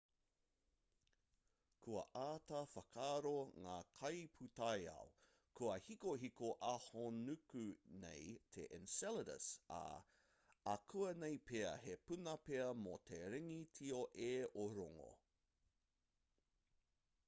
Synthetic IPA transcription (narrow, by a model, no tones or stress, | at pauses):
kʰuɐ̰ʔaːtɐfɐkʰaːɾoŋaːkʰɐjpʰutɐjɐ̰w | kʰuɐhikoɦikoʔɐhonʉkʉnḛjtʰḛʔɪ̰nsɛləɾə̰sɐ̰ | ɐ̰kʰuɐnejpeɐ̰hepʉnɐpeɐmot̪ʰeɾeŋitʰioʔeːoɾoŋo̰